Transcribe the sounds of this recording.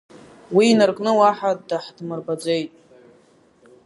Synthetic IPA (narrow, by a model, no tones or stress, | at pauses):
wiːnɨrkʼnɨwaħadaħdmɨrbad͡zʷe̞jtʼ